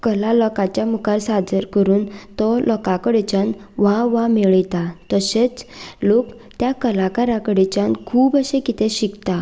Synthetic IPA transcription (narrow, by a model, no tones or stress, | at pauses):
kəlalɔkat͡ɕjamukaɾsad͡zəɾkəɾuːnt̪ɔlʔɔkakəɽet͡ɕãnʋaʋameɭjt̪at̪əset͡slok | t̪jakəlakaɾakəɽet͡ɕankʰuːbəɕekit̪ẽɕikt̪a